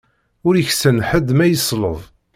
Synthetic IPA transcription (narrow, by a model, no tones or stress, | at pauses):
ʊɾiçsənħəd̪mæjəsˤlə̰ðˤ